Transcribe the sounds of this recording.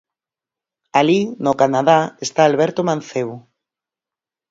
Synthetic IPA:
alinokanaðaest̪aːlβɛɾt̪omãnθeβo

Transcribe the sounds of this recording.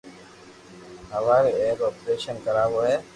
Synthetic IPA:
ɦəʋaːɾeeːɾɔːpɾeːʃənkəɾaːboːɦɛː

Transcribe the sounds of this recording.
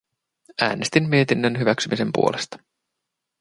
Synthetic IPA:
æ̰ːnest̪imːiet̪inːənɦyʋæksymʔise̞mpṵolest̪ɑ̥

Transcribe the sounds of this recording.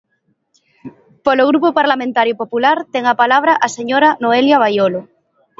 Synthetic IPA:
poloɣ̞ɾupopaɾlamẽnt̪aɾjopopulaɾt̪eŋapalaβ̞ɾaʔaseɲoɾanoeljaβ̞ajolo

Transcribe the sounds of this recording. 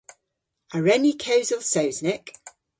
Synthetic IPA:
əɹɛnikʰeʊzəlˠsoʊznɪk

